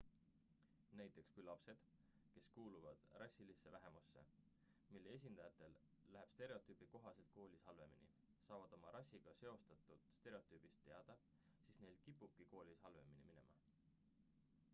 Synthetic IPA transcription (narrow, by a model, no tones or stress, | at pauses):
næjt̪ːˑe̞kskujlɑpse̞d̪̥ | ke̞skuːluvɑ̰d̪̥rɑsʲːilisːe̞væɦe̞musːe̞̰ | milːees̬ʲind̪ɑjɑt̪ːˑe̞lː | æɦeb̥st̪e̞ɾe̞o̞t̪ːˑyːb̥iko̞ɦɑse̞lt̪̚ko̞ːlʲishɑlve̞minḭ | sɑːvɑd̪̥o̞mɑɾɑsʲːiɡ̥ɑse̞o̞st̪ɑt̪ˑːud̪̥st̪e̞ɾe̞o̞t̪ːˑyːb̥ist̪ːe̞ɑd̪̥ɑ | siːsne̞jlkipːˑub̥̚kiko̞ːlʲishɑlve̞minimine̞̰mɑ